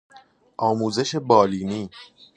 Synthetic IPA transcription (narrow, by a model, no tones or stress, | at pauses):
ʔɒːmuːze̞ʃe̞bɒːliːniː